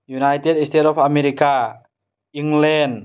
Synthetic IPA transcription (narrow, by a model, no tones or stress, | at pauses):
junajt̪edist̪etɔpameɾika | iŋlɛn